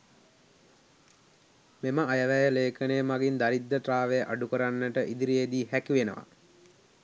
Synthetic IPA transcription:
meməajəʋæjəleːkənejːmaɡind̪aɾid̪ːəʈɾaːʋejəʔaɖukəɾanːəʈəʔid̪iɾied̪iːhækiʋenəʋa̰

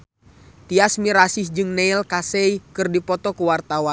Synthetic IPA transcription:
t̪iasmiɾasɪsd͡ʒɨŋnɛilkasɛikɨrdipɔt̪ɔkuwart̪awan

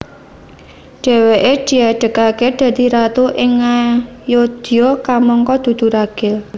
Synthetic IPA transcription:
ɖ̥ɛ̤weʔeɖ̥i̤aɖ̥ə̤kaked̪̥a̤d̪i̤ɾat̪uʔɪŋa | jod̪̥iɔkamɔŋkɔd̪̥ṳd̪̥ṳɾaɡ̥ɛl

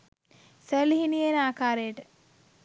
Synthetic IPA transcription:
səliɦinijenaːkaːɾejəʈə

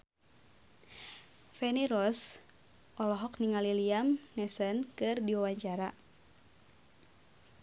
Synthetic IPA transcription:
fɛniɾɔs | ʔɔlɔɦɔk̚niŋaliliamnɛsənkɨrdiwawaɲt͡ʃaɾa

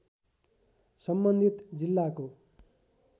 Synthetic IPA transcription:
sʌmbʌnd̪ʱit̪d͡zilːako

